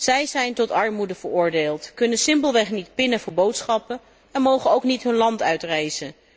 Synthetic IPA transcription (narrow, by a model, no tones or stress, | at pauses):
z̥ɛjzɛjntɔtɑɹmudəv̥əɹʊːɹdeːlˠtkɵnənsɪmpəlˠʋɛχnitpɪnəvʊːɹbowtsχɑpən | ɛnmowχəowknitɦɵnlɑntœɥtrɛjzən